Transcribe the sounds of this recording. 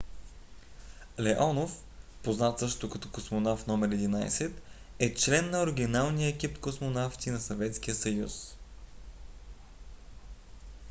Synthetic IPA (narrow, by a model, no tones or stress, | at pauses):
lɛʔɔnof | poznat̪sɤʃt̪ot̪okɐt̪ɔkosmonafnɔmɛɾɛd̪ina̰j̰sɛt̪ | ɛt͡ʃlɛnːɐoɾɛɡ̟ʲinalˠnijəɛk̟ipkosmonaft̪inɐsɐvɛt̪sk̟ijəsɐjṵs